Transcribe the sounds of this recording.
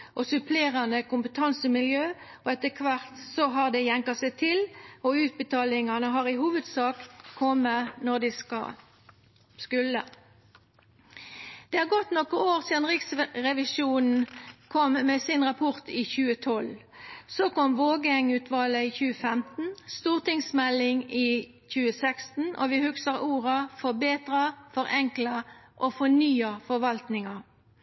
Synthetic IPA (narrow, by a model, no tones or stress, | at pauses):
ʔɔsʉpʰleːʁɑnəkʊmpət̪ʰɑnsəmɪljøː | ɔɛt̪ːəkʰʋɑʁt̪sɔɦɑʁd̪ɛjɛŋkɑsæɪt̪ʰɪlɔʉːt̪̚bət̪ʰɑːlɪŋɑnəɦɑːʁɪhuːʋəd̪sɑːkkʰɔmːənɔʁd̪ɪskɑ̰ | skʉlə̰ | d̪̥eːæːʁɡɔt̪nɔkːəoːʁsiːd̪ɑnʁɪksʁɛʋɪʃuːnn̩kʰɔmmeːsɪnʁɑpʰʊʁt̪iːçʉːət̪ʰɔlsoːkɔmʋoːɡəɛŋʉːt̪ʰʋɑːləiːçʉːəfɛmt̪n̩st̪uːʁt̪ɪŋsmɛlɪŋiː | çʉːəsɛkst̪n̩ʔo̰ːʋɪhʉksəʁuːʁəfɔʁbeːt̪ʁɑfɔʁʔɛŋkləʔoːfɔnyːɑfɔʋɑlt̪nɪŋɑ